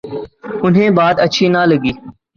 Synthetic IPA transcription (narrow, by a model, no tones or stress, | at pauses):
ʊnɦẽːbaːd̪əʃʰiːnaləɡiː